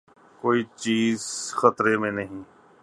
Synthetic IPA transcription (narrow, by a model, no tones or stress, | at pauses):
koːit͡ʃiːzxɐt̪ɾemẽnɐɦĩː